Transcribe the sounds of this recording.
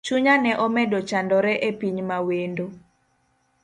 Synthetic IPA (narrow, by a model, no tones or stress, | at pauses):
t͡ʃuɲanɛʔɔmɛdɔt͡ʃandɔɾɛʔepiɲmawendo